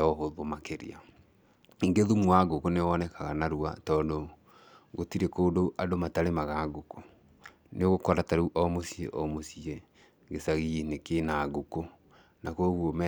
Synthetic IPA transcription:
ɔɦoðomakeɾḛa | iŋɡeðumwaɡokoneɔnɛkaɣanaɾuatɔːndo | ɣotiɾekoːdoʔadomataɾemaɣaːɡoko̥ | neoɣokɔɾataɾuʔɔmosiḛʔɔmosie | ɡesaɣinekenaɡoko | nakoɣuomɛ

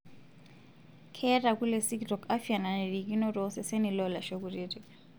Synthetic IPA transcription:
kʰɛrakulesikdɔkafianandikinɔrɔsɛsenilɔlaʃok̬uriti

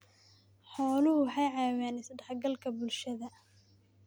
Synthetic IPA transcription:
ħɔːlʊhʊħɑjʕɑːwaːnɪsɐɖɛħɡɐlkʰɐbʊlʃɐðɐ

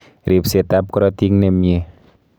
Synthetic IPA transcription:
ɾip̚set̪ap̚kɾɔt̪iŋnemie

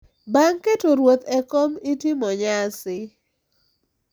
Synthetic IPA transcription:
baŋketoɾwot̪ɛkomitɪmɔɲasɪ

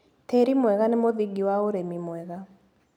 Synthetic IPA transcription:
teɾimwɛɣanɛmoðiɡiwaoɾemimwɛɣa

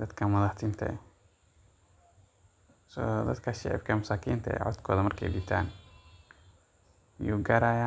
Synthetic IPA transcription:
d̪̥ɐd̪kʰɐmɐðɐħt̪ʰiːnt̪ʰɐ̰ɛ | sɔd̪ɐd̪kʰɐʃɛʕɪ̰bkʰɐmʊsaːkʰiːnt̪ʰɐ̰ɛ̰ʕɔ̰d̪kʰɔːðɐmɐrkʰɛ̰jbɪt̪ʰaːn | ɪjuːɡɐɾaːja

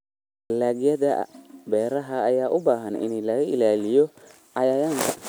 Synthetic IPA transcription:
laːɣjɐðɐbɛːɾɐɦɐːjaːʔʊbaːɦɐnɪ̰nilɐɣɐɪlaːlɪjɔ | ʔɐjajaŋkʰ

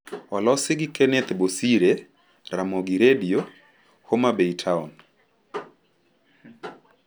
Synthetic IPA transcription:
ɔlɔsɪɡɪkɛnɛt̪bosiɾe | ɾamoɡiɾedio | homabeitʰaun

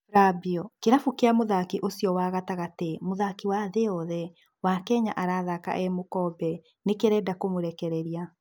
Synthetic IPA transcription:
ɾabiɔkeɾafukeamoðakiʔosijɔwaːɣataɣatemoðakiwaːðeɔðɛ | wakɛɲaʔaɾaːðaka̰ʔɛmokɔːbɛ | nekeɾɛːdakomoɾɛkɛɾɛɾia

